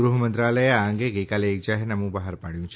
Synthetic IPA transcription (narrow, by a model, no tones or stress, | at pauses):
ɾuɦəmənt̪ɾaləjeaŋɡeɡəjkaleːk̚d͡ʒaɦɛɾnəmũbəɦaɾpaɽ̃jũt͡ʃʰ